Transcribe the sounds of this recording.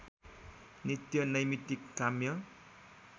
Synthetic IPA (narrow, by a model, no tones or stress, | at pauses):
nit̪jʌnʌjmit̪ikːamjʌ